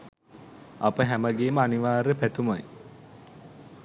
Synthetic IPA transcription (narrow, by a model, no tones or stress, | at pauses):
ɐpəɦæməɡeːməaniʋaːɾəpæt̪umaj